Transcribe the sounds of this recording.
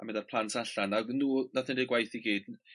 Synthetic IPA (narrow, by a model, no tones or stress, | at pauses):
amɛdarpʰl̥ˠantʰaɬanaɡnːuːnaθɪndɪɡwajθiɡiːd